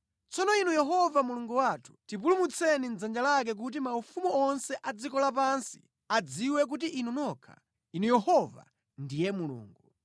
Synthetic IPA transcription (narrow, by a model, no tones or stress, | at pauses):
t͡sɔnɔinujɛɦɔvamuluŋɡuwatʰu̥tipulumut͡sʰɛnin̩d͡zand͡ʒalak̬ɛk̬ut̬imaufumuɔnsɛʔad͡zikɔlapansi̥̰ | ad͡ziwɛk̬ut̬iʔinunɔkʰa̰ | inujɛhɔva̰ | ndijɛmulṵːŋɡu